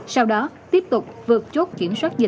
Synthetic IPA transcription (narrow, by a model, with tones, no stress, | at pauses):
sa˧wɗɔ˨˦t̪i˦˥əp̚t̪ʊ˨˩k͡p̚vɨ˨˩ət̚t͡ɕo˦˥t̚ki˧˩əmswaː˦˥t̚zɨ˨˩